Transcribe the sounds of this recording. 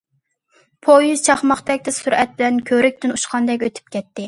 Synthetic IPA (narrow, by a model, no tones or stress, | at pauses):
pʰojyzt͡ʃʰɑχmɑχt̪ɛk̚ʲt̪ɛsyɾɛt̪̚bɪlɛnkʲʰøɾɪk̚ʲt̪ynuʃqʰɑnd̪ɛkʲøt̪ʰy̥p̚kʲɛt̪ːɪ